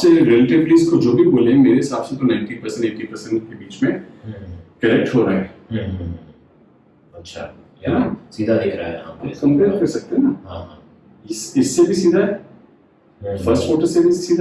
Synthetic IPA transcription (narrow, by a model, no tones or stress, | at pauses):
seɾelʈepliːskod͡ʒoːbʱiboːlẽmeːɾeɪsaːbset̪onãɪ̃ɳʈipɐɾsɛ̃ɳʈeːʈipɐɾsɛ̃ɳʈkebiːt͡ʃmẽ | kɐɾɛk̚ʈɦoːɾaːɦɛːɦ | ɐtːʃʰa̰ | ɛaɦsiːd̪ʱad̪ɪkʰɾa̰ɛɦã̰ːkɐ̃mbeɐkesɐk̚t̪eɦɛnaɦãːɦã | ɪsɪsːebʱisiːd̪ʱaɦɛː | fɐɾsʈfoːʈəɾsebʱisiːd̪a